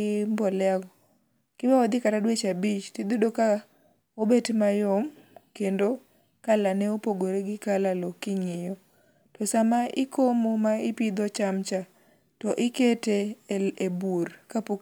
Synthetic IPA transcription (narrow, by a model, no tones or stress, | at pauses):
mbɔlɛaɡɔ | kɪwawɔd̪ɪkatadwet͡ʃabit͡ʃtid̪odoka | obetmajɔm | kendo | kalanɛopoɡoɾeɡɪkalalokɪɲɪjɔ | tɔsamaʔɪkʰomomaɪpid̪ɔt͡ʃamt͡ʃa | tɔʔɪketeeburkapo